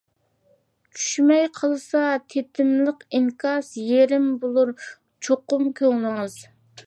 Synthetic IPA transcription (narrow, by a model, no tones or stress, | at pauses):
t͡ʃʰy̥ʃmɛjqʰəlˠsɑt̪ʰet̪ʰɪmləqiŋkʰɑsjeɾɪmbolˠuɾ | t͡ʃʰoqʊmkʲʰøŋlˠɨŋɨz̥